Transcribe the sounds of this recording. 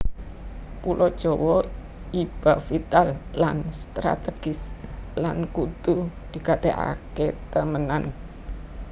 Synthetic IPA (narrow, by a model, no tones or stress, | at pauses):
pulɔd̥ʒ̥ɔwɔ | ib̥afit̪alːanst̪ɾa̰t̪eɡ̥ɪslankut̪ud̪̥i̤kat̪eʔa̰ket̪əmənan